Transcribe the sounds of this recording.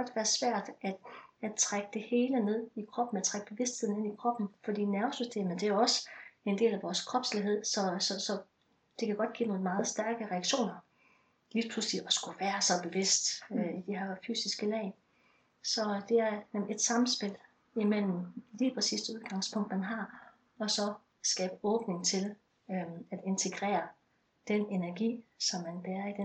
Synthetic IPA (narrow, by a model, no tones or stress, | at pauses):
ɒ̽d̥ʋæːɐsʋæɐ̰d̥æ̥æt͡sʰʁaɡ̥əd̥e̝he̝ːləne̝ð̰ˠikʰʁɒ̽b̥n̩æt͡sʰʁaɡ̥əb̥e̝ʋe̝sd̥he̝ð̰ˠn̩e̝nikʰʁɒ̽b̥n̩fɒ̽d̥ḭːnæɐsysd̥e̝̰ːmð̩ˠd̥e̝ɒ̽səend̥e̝̰ːlæʋɒːskʰʁɒ̽b̥sliɦe̝ð̰ˠsɒ̽sɒ̽sɒ̽ | d̥e̝kʰæɡ̥ɒ̽d̥̚ɡ̥ḭːno̝ːn̩mɑ̈ːð̩ˠsd̥æɐɡ̥əʁɛɑɡ̥ɕo̝̰ːnɐ | liːpʰlusliɒsɡ̥uʋæːɐsɒ̽b̥e̝ʋe̝sd̥øid̥iɦæfy̰ːsisɡ̥əlɛ̰ɪ | sɒ̽d̥e̝æɐe̝d̥sɑ̈m̩sb̥e̝l̰ | imel̰m̩liːpʰʁɛsḭːsd̥uð̞ˠɡ̥ɑ̈ŋ̰spʰɔ̽ŋ̰d̥mænɦɑ̈ | ɒ̽sɒ̽ | sɡ̥ɛ̰ːb̥əɔ̽ːb̥ne̝ŋt͡sʰe̝l | æd̥e̝nt͡sʰe̝ɡ̥ʁɛ̰ːɐ | d̥ene̝næɐɡ̥ḭːsɒ̽mːænb̥eːɐid̥e